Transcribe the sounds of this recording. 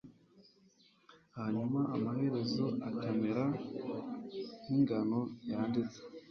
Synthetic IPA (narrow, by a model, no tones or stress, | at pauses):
haɲumaːmahe̞ɾe̞zo̞akemeɾa | niŋɡano̞jaːndit͡se̥